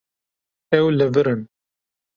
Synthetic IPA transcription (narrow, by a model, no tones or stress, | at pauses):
ɛwlɨvɨɾɨn